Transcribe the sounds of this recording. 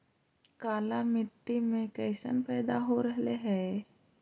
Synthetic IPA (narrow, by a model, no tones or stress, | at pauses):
kaːlamɪʈːimẽkɛːsə̰npɛːd̪aɦoɾəɦleɦɛː